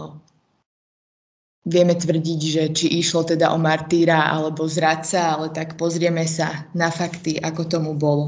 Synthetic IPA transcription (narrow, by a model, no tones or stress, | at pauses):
ʋɪɛmɛt̪ʋr̩ɟiɟʒɛt͡ʃiʔiʃlɔt̪ɛd̪aʔɔmaɾt̪iːɾaa̰lɛbɔzɾat̪saalɛt̪akpɔzɾɪɛmɛsanafakt̪iʔakɔt̪ɔmubɔlɔ